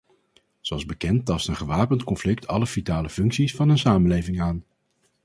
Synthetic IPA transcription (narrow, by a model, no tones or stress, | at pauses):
zoɑlˠzbəkɛntːɑstənχəʋaːpəntkɔnflɪk̚tʰɑləfitaːləfɵŋksisfɑnənsaːmənlejvɪŋaːn